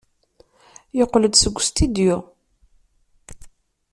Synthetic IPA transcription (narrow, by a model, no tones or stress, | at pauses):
joqːləd̪səɡʷːst̪id̪jʊ